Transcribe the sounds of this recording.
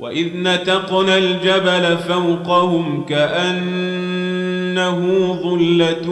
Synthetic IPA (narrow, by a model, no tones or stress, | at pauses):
wa̰ʔɪðnat̪ɑqnald͡ʒabalafawqɑhʊmkaʔan | aɦʊðˤʊlːat̪